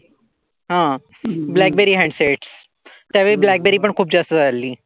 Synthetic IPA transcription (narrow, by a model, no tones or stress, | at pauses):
ɦã | blæk̚beɾiːɦæ̃ɳɖseʈs | t̪jaʋeblæk̚beɾiːpəɳkʰuːp̚d͡ʑəst̪əsaliː